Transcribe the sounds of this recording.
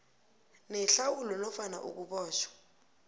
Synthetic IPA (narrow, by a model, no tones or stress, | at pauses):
nɛɬawulɔnɔfana̰ʔṵk̬uɓɔːʃwḁ